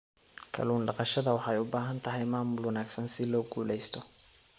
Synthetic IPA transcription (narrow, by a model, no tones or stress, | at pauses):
kʰɐ̰luːnɖɑqɑʃɐðɐwɑħjʊbaːɦɐnt̪ʰɐɦɛjmaːmʊlwɐnaːɡsɐnsɪlɔːɡuːlɛjst̪ʰɔ